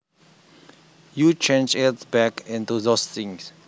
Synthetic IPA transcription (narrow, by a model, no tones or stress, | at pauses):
jut͡ʃẽnd͡ʒɛtsbɛkĩnt̪uðost̪ĩŋs